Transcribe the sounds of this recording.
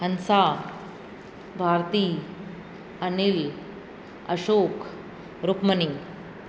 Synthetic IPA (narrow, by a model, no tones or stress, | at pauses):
hɐnsaː | bʱaːɾt̪iː | ɐnil | ɐʃoːk | ɾukmɐni